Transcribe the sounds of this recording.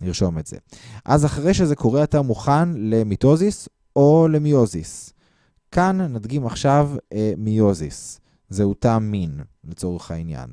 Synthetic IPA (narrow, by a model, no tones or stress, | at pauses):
niʁʃo̞metz̥ḛʔazaχaʁejʃeze̞ko̞ʁeatamuχanle̞mito̞zis | ʔole̞mio̞zis | kanːadɡimaχʃavemio̞zḭs | zeutaminlet͡so̞ʁeχhainja̰n